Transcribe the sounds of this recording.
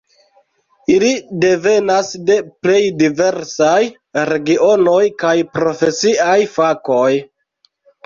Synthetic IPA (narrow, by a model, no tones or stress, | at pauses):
ilide̞ve̞nasde̞ple̞jdive̞ɾsaj | ɾe̞ɡio̞no̞jkajpɾo̞fe̞siajfako̞j